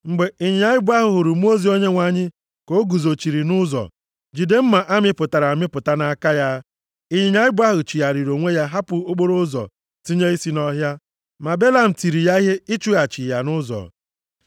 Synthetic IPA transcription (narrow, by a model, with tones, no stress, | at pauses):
ŋ͡m̩˨ɡ͡be˨i˦ɲɪ˨ɲa˨ɪ˦bʊ˦a˦ɦʊ˨ɦʊ˨ɾʊ˨m˦o˦zi˨˦o˦ɲe˦ŋʷa˨ɲɪ˦ | ko˦ɡu˨zo˨t͡ʃi˨ɾi˨nʊ˦zɔ̰˨ | d͡ʒi˨de˦m̩˦ma˨ʔa˦mɪ˦pʊ˨ta˨ɾa˨a˨mɪ˦pʊ˨ta˦na˨˦ka˦ja˦ | i˦ɲɪ˨ɲ˦a˦ɪ˦bʊ˦a˦ɦʊ˨t͡ʃi˨ja˨ɾi˨ɾo˨ŋʷe˦ja˦ɦa˦pʊ˨o˦ɡ͡bo˦ɾo˦zɔ̰˨ | ti˦ɲe˦i˦si˦nɔ˦ɦja˦ | ma˨be˦la˨m̩˨ti˨ɾi˨ja˦i˦ɦe˦i˦t͡ʃu˦ɣa˨t͡ʃi˨ja˨nʊ˦zɔ̰˨